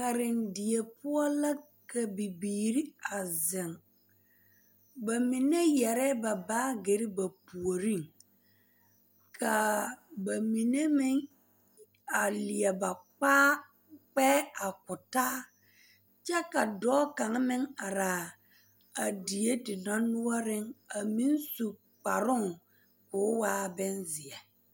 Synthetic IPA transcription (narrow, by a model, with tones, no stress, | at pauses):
ka˨ɾɪ˨ndɪ˨e˨pʊ˦ɔ˦la˦ | ka˨bi˨biː˨ɾi˦a˨zɪ˨ŋ | ba˨mi˨ne˦jɛ˨ɾɛː˦ba˨baː˦ɡe˨ɾɪ˦ba˨pu˨o˨ɾi˦˨ŋ | kʰa˨ba˨mi˨ne˦mɪ˦ŋ | a˨lɪ˨ɛ˨ba˨k͡paː˦ | k͡pɛː˦a˨kʊ˨taː˦ | t͡ʃɛ˦ka˨dɔː˦ka˨ŋ˦mɪ˦ŋa˨ɾa˨ | a˨di˨je˦tɪ˨na˦nʊ˦ɔ˦ɾɪ˦ŋa˨mi˦n˦su˨ | k͡pa˨ɾʊ˦ŋ | kʊ˨˦waː˦bɛ˦nzɪ˨ɛ˨